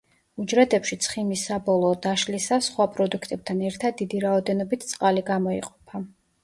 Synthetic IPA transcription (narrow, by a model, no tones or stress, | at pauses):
ud͡ʒɾɛd̪ɛpʃit̪sʰχimisːabɔlˠɔːd̪aʃlisasχwapʼɾɔd̪ukʰt̪ʼɛb̚t̪ʰanɛɾt̪ʰad̪̚ːid̪iɾaɔd̪ɛnɔbit̪ʰt̪sʼqʼaliɡamɔḭqʼɔpʰa